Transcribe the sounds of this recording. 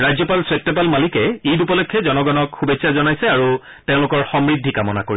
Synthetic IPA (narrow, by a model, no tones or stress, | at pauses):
ɹajd͡ʑzɔpalswet̚tːɔp̬almalikɛejdupɔlɔkʰːjɔzɔnɔɡɔnɔkxubesʰazɔnajsɛaɹu | tẽʊ̃lʊkɔɹxɔmɹidʱːikamɔna̰koɹis